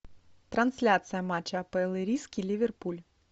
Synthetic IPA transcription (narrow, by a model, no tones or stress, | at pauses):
t̪ɾɐnsʲlʲat̪sɨjɐmat͡ɕːɐɐpɛlˠɨɾʲiskʲilʲivʲɛrpulʲ